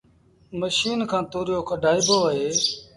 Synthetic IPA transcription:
məʃiːnkʰãːt̪oːɾjoːkʰəɖaːɪboːaɦeː

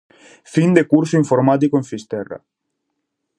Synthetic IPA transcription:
find̪ekuɾsuiɱfoɾmat̪̬ikoẽɱfist̪era̰

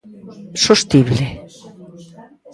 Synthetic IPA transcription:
sost̪iβle

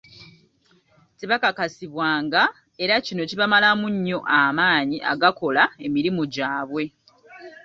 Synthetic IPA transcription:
tiβakakasiβwaːŋɡa | e̞ɾacino̞ciβamalamuɲːo̞ʔamaːɲiʔa̰ɡako̞lae̞miɾimuɟaːβwe̞

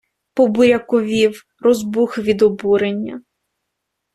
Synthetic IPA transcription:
pɔbʊɾʲɐkɔʋʲiw | rɔzbuxʋʲid̪ɔbuɾenʲːɐ̰

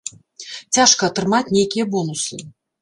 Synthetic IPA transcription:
t͡sʲaʂkɐːt̪ɾɨmat͡sʲnʲejkʲijɐbɔnuslɨ

